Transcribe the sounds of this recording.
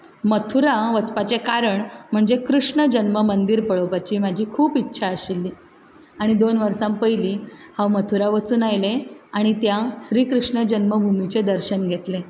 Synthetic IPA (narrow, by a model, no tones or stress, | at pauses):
mət̪ʰuɾaʋət͡spat͡ɕekaɾəɳm̤əɳd͡zekɾuʂɳəd͡ʑənməmənd̪iːɾpəɭopat͡ɕiːmad͡ʑʱiːkʰuːpitːɕʰaəɕilːiː | aɽ̃id̪onʋəɾsãmpəɦjliːhãwmət̪ʰuɾaʋət͡suːnajleaɽ̃it̪jaɕɾiːkɾuʂɳəd͡ʑənməbʱumit͡ɕed̪əɾɕənɡʱet̪le